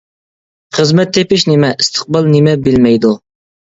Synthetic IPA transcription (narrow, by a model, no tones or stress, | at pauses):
χəzmɛt̪ʰːepɪʃnɪmɛʔist̪ʰə̥q̚bɑlˠnɪmɛbɪlmɛjd̪u